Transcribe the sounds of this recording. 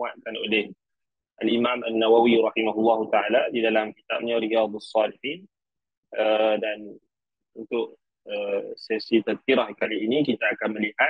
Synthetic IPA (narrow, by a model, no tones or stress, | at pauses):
at̪̚kanolɪh | ʔalimãmanːawawiɾɑhimaɦulːɑɦut̪aʕaladidalamkit̪a̰p̚ɲaɾijɑðˤasːɑliħin | ədan | unt̪ʊʔ | əsɛsit̪əd̪̚kiɾahkaliːnikit̪aːkanməliha